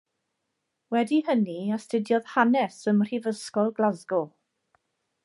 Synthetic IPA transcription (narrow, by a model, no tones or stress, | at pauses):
wɛdihəniastədjɔð̥hanɛsəmr̥ivəskɔlˠɡlazɡɔ